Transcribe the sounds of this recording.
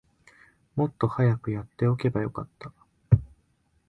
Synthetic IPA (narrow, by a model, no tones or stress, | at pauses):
mo̞t̪ːo̞hajakɯ̟jat̪ːe̞o̞ke̞bajo̞ka̰t̪ːa